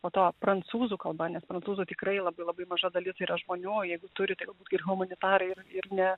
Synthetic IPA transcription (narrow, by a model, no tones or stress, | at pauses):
poːt̪oːpɾɐnt̪t͡ssuːzuːkɐlˠbɐnʲɛspɾɐntt͡s̪uːzuːt̪ʲɪkɾɐɪlˠɐbɐɪlˠɐbɐɪmɐʒɐd̪ɐlʲɪt̪ɐɪɾɐʒmoːnʲuːjɛɪɡʊt̪ʊɾʲɪt̪ɐɪɡɐlˠbuːt̪ɡʲɪrɣʊmɐnʲɪt̪ɑːɾɐɪɪrɪrnʲɛ